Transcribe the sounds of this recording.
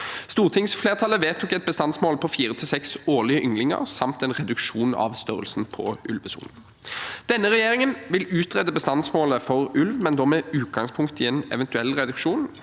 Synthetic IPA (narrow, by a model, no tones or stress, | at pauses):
st̪uːʁt̪ʰɪŋsfleːʁt̪ʰɑləʋeːt̪ʰʊkɛt̪̚bəst̪ɑnsmoːlpʰɔfiːʁət̪ʰɪlsɛksoːʁlɪəʔʏŋlɪŋə̰ʁsɑmt̪ɛnʁɛd̪ʉkʃuːnɑ̰ʋst̪œʁə̰lsnpʰɔ̰ʔʉlʋəsṵːln̩ | d̪̥ɛnːəʁɛjeːʁɪŋənʋɪlʉːt̪ʁɛd̪əbəst̪ɑnsmoːləfɔʁʉlʋmɛnd̪ɔmɛʉːt̪̚ɡɑŋspʰʊŋkt̪ɪeːnɛ̰ʋɛnt̪ʉɛlːʁɛd̪ʉkʂuːn